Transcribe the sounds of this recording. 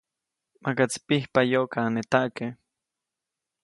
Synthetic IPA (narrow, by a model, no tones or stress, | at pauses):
makat͡spihpajokaːnet̪aʔke